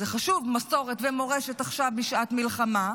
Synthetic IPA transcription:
zeχaʃuvmaso̞ʁetvemo̞ʁeʃetaχʃavbiʃaatmilχama

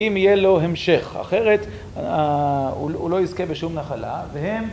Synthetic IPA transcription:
imijelo̞ɦe̞mʃe̞χa̰χe̞ʁet | a | ulo̞izke̞beʃumnaχala̰veɦe̞m

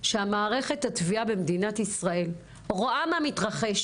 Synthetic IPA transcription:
ʃeamaːʁe̞χe̞thatviabe̞md̪inatisʁae̞l | ʁoʔamamitʁaχe̞ʃ

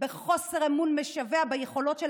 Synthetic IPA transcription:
beχo̞seʁemunmeʃaveabajeχo̞lo̞tʃe

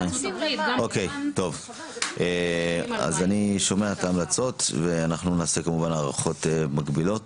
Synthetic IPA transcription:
ʔokejto̞v | ʔea̰zaniʃo̞me̞aetaːmlat͡so̞tveanaχnunaːsekamuvanaːʁaχo̞temaɡbilo̞t̚

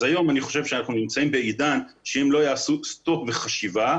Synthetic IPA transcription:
ajo̞maniχo̞ʃe̞vʃeanaχnunimt͡saimbe̞idan | ʃeemlo̞jaːsust̪o̞kve̞χaʃiva

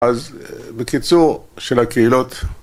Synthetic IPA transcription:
azbekit͡suʁʃelhakeilot̪

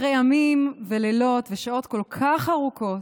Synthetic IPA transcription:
ʁejamimvelelo̞t̪veʃao̞t̪ko̞lkʰaχaʁuko̞t

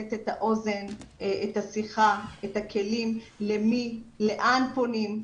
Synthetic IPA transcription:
et̪etaʔo̞ze̞nethasiχaetakʰe̞limlemile̞ʔanponim

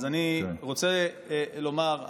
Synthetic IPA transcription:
zaniʁot͡se | lo̞maʁ

